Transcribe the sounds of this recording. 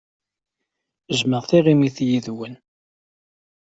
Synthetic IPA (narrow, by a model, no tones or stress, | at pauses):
əzməʁθiʁimiθjiðwən